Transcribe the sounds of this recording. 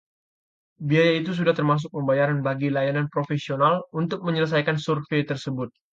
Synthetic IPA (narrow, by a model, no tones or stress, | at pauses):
biajait̪us̬udaht̪ərmas̬ʊk̚məmbajaɾanbaɡilajananpɾofesionalunt̪ʊk̚məɲələs̬ajkansurfet̪ərsəbʊt̪̚